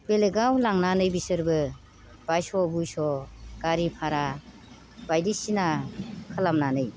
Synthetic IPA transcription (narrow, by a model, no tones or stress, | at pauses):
b̥eleɡawlaŋnanɯjbisɯɾbɯ | b̥ajsɔbujsɔɡ̥aɾipʰaɾa | bajdisinakʰəlamnanɯj